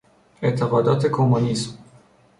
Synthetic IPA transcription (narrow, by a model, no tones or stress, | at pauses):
et̪ʰːeɣɒːd̪ɒːt̪ʰe̞kʰomunism